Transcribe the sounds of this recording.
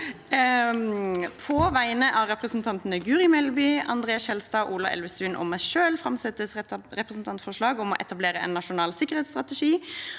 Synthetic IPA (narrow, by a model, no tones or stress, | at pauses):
pʰɔʋæɪnəʔɑɾɛpʁəsnt̪ʰɑnt̪ənəɡʉːʁɪmɛlbʏːɑ̰nd̪ʁeːɑshɛlst̪ɑːʔuːlɑʔɛ̰lʋəsʉnʔɔ̰mæʃøːlfɾɑmsɛt̪ːəsɾɛpʁəsnt̪ʰɑnt̪fɔʂlɑːɡɔmɔʔɛt̪ɑbleːɾəɛ̰nːɑʃʊnɑːlsɪkːəʁhɛːt̪st̪ʁɑt̪əʂiː